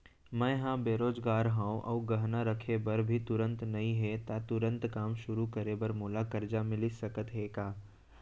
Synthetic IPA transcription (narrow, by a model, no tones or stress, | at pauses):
mɛ̃ɦãbeːɾoːd͡ʒɡaːɾɦãːũʔɔːɡɐɦnaɾɐkʰebɐɾbʱit̪ʊɾə̃nt̪nɐĩɦet̪at̪ʊɾə̃nt̪kaːmʃʊɾukɐɾebɐɾmoːlakɐɾd͡ʒamɪlisɐkət̪ɦeːkaː